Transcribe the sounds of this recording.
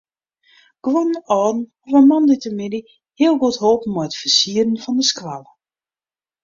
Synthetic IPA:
ɡ̥wɔnəɔːdn̩ɔfəmɔnditəmɪdi | hɪəlˠɡothoːpən̩mɔjətfərsiədən̩fɔndəskʋalˠə

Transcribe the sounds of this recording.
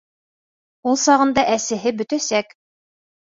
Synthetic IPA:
ulˠsɑʁɤ̆nd̪ɑʔæsɘ̆ɦɘbɵ̆t̪æsæk

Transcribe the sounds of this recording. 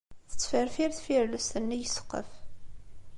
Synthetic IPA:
θə̥t͡sːfəɾfiɾθfiɾləst̪ənːijəsə̥qːə̰f

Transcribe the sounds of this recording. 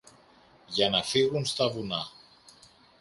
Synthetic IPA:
ʝanafiɣunst̪aβuna

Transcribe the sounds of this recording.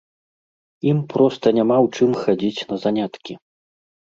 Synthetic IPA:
impɾɔst̪ɐnʲamawt͡ʂɨmxad͡zʲit͡sʲnɐzanʲat̪kʲi

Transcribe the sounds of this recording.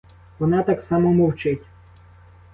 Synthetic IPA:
ʋɔnɑt̪ɑksɑmɔmɔwt͡ʃɪtʲ

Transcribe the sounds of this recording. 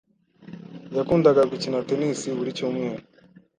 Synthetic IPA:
jakuːndaɡaɡucinatenisiβuɾicuːmŋeːɾa

